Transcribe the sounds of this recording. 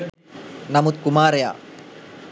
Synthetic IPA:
nɐmut̪kumaɾja̰

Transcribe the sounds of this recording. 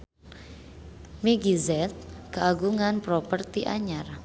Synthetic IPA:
miɡizɛt̪̚kəʔaɡuŋanpɾopərt̪iʔa̰ɲar

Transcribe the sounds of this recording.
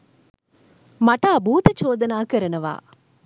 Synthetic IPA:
mɐʈaːbuːt̪ɐt͡ʃoːd̪ɐnaːkɐɾɐnɐʋa̰ː

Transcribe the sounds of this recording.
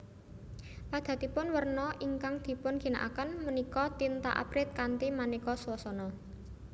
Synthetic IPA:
pad̪̥a̤t̪ipʊnwərnɔʔiŋkaŋd̪̥i̤pʊnɡ̥i̤na̰ʔa̰kənmənikɔt̪int̪a̰ʔa̰b̥ɾɪt̪̚kant̪imanikɔswɔsɔnɔ

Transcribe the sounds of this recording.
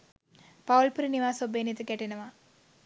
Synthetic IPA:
pɐʋlpuɾiniʋaːsobeːnit̪ːɨkeʈːɐnɐʋa

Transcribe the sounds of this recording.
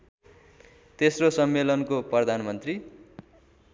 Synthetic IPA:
t̪esrosʌmːelʌnkoprʌd̪ʱanmʌnt̪ri

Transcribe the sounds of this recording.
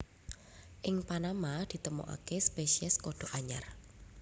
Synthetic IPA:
ʔɪŋpanamad̪̥i̤t̪əmo̰ʔa̰kespeʃiɛskoɖ̥o̤ʔaɲa̰r

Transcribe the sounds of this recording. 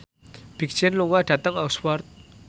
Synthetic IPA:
b̥ik̚d͡ʒɛnluŋaɖ̥ä̤t̪əŋakswɔrt̪̚

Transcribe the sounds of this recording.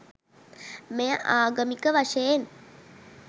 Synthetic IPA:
mejəʔaːɡəmikəʋaʂejen

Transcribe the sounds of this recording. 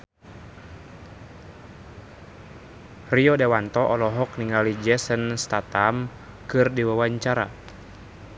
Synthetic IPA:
riɔdɛwant̪ɔʔɔlɔɦɔk̚niŋalid͡ʒɛsənst̪at̪am | kɨrdiwawaɲt͡ʃaɾa̰

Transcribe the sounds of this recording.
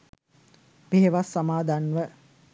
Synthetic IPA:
peɦeʋasːamaːd̪anʋə

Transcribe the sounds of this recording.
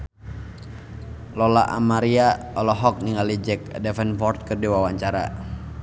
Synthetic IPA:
lɔlaʔa̰maɾiaɔlɔɦɔk̚niŋɡalid͡ʒɛk̚dɛfɛnfɔrt̪̚kɨrdiwawaɲt͡ʃaɾa̰

